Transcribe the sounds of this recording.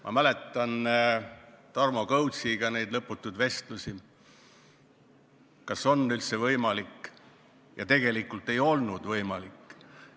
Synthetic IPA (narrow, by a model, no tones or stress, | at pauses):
mʔɑ̰mæle̞t̪ːˑɑn | t̪ɑrmo̞kɤwt̪siɡ̥ɑne̞jd̪lɤpːˑut̪ːˑud̪ve̞st̪lusi | kɑso̞nylt̪sevɤjmɑlikː | jɑt̪e̞ɡ̥e̞likːˑult̪ːˑe̞jo̞lnud̪̥vɤjmɑlikː